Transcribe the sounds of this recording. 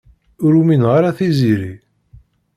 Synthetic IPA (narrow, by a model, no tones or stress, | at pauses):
ʊɾuminʁaɾaθiziɾi